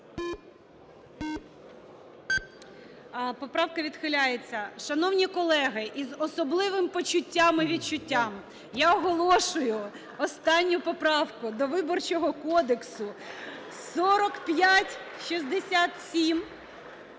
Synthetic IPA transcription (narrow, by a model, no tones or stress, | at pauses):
pɔpɾɑwkɐʋʲid̪xɪlʲajet͡sʲːɐʃɐnɔwnʲikɔlˠɛɦɪʔizɔsɔblˠɪʋɪmpɔt͡ʃʊtʲːamɪʋʲid̪̚t͡ʃʊtʲːam | jaɔɦɔlˠɔʃʊjʊ | ɔst̪ɑnʲːʊpɔpɾɑwkʊd̪ɔʋɪbɔrt͡ʃɔɦɔkɔd̪eksʊ | sɔɾɔkpʲjatʲʃizd̪esʲat̪sʲim